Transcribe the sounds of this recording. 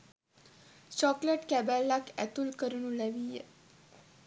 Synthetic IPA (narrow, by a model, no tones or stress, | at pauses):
t͡ɕɔkləʈkɛbɛlːakɛt̪ulkəɾunuleʋijḛ